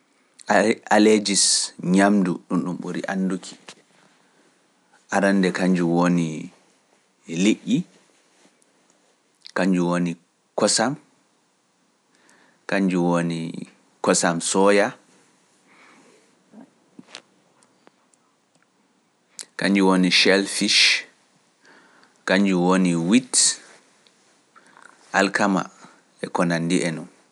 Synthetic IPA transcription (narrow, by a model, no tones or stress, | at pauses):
aled͡ʒisɲamduɗunɗumɓuɾḭʔa̰nːdukʰi̥ | ʔaɾanːdɛkaɲd͡ʒuwoni | liʔːi | kaɲd͡ʒuwoni | kɔsam | kaɲd͡ʒuwonḭ | kɔsamsɔja | kaɲd͡ʒuwoniʃɛlfiʃ | kaɲd͡ʒuwoniwit | ʔalkʰama̰ | ɛkɔnandiʔɛnum